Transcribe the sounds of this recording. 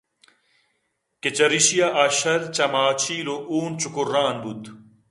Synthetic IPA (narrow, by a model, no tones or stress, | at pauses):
ket͡ɕɐɾiɕijaʔaːɕɐɾt͡ɕɐmaːt͡ɕʰiːloʔuːnt͡ɕukurːaːnbud̪